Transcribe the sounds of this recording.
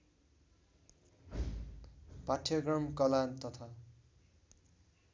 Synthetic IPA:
paʈʰjʌɡrʌmkʌlant̪ʌt̪ʰa

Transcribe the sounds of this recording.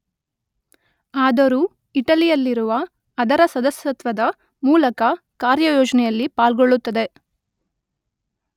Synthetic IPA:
aːd̪ɐɾu | iʈɐlijɐlːiɾuʋɐː | d̪ɐɾɐsɐd̪ɐsjɐt̪ʋɐd̪ɐ | muːlɐkɐ | kaːɾjɐjɔːd͡ʒɐnɛjɐlːipaːlɡoɭːut̪ːɐd̪e̞

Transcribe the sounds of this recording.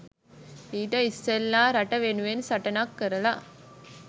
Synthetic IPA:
piːʈɐɪst̪elːãːɾɐʈːɐʋeːɳɯʋeːnsɐʈːɐnaːkːɛɾɐlaː

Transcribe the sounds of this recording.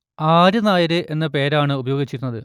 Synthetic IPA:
aːɾunaːjɐɾɨʔe̞nːɐpe̞ːɾaːɳɨubɐjo̞ːɡit͡ɕːiɾunːɐðɨ

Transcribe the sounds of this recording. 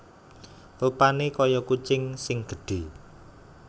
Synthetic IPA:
lupanekɔjɔkut͡ʃɪŋsɪŋɡ̥ə̤ɖ̥e̤

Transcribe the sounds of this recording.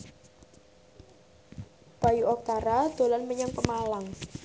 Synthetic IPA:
b̥a̤juɔk̚t̪aɾad̪̥o̤lanməɲəŋpəmalaŋ

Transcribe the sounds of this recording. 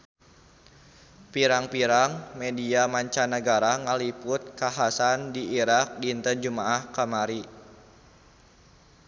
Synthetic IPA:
piɾaŋpiɾaŋmediamaɲt͡ʃanaɡaɾaŋalipʊt̪̚kaɦasandiːɾak̚diːnt̪ənd͡ʒumaʔahkamaɾi

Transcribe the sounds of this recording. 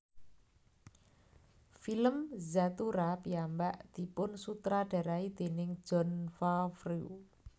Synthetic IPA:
filəmzat̪uɾapiambaʔd̪̥i̤pʊnsut̪ɾaɖ̥a̤ɾaid̪̥e̤nɪŋ̥d͡ʒ̥ɔ̤nfafruu

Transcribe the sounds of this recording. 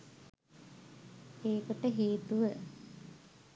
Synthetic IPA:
eːkoʈəɦeːt̪uʋə

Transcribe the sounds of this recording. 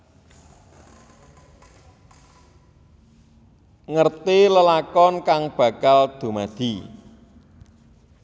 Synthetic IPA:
ŋərt̪iləlakɔnkaŋb̥ä̤kald̪̥o̤mad̪̥i̤

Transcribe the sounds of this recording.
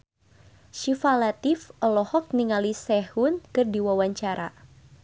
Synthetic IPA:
ʃifalat̪ifɔlɔhɔk̚niŋalisɛhʊnkɨrdiwawaɲt͡ʃaɾa

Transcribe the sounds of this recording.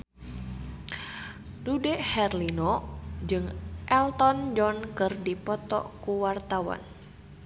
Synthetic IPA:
dudɛʔhɛrlinɔd͡ʒɨŋʔɛlt̪ɔnd͡ʒɔnkɨrdipɔt̪ɔ̰kuwart̪awa̰n

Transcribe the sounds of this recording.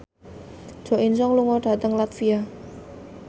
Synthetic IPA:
d͡ʒ̥o̤ʔinsɔŋluŋɔɖ̥a̤t̪əŋlat̪fia

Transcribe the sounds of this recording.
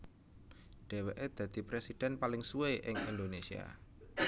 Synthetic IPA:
ɖ̥e̤weʔed̪̥ä̤d̪̥i̤pɾesid̥ɛ̤npalɪŋsueʔɪŋḭnd̪onesia̰

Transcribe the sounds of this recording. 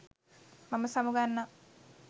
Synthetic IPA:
mɐmɐsɐmuɡanːɐ

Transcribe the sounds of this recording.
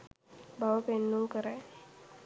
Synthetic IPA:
baʋəpenːuːkəɾɛ

